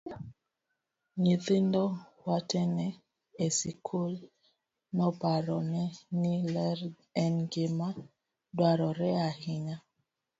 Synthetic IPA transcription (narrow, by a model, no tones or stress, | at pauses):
ɲiðindɔwatɛnɛ | esikʰul | nɔpaɾɔnɛnilɛɾ | ɛnɡema | dwaɾɔɾɛahiɲa